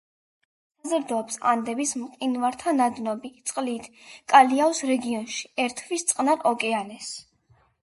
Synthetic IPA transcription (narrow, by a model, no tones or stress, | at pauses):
sazɾd̪ɔpsa̰nd̪ɛbismqʼinvaɾt̪ʰanad̪nɔbit̪sʼqʼliːt̪ʰkʼaliavsɾɛɡiɔnʃi̥ɛɾt̪ʰvist̪sʼqʼnaɾʔɔkʼɛanɛs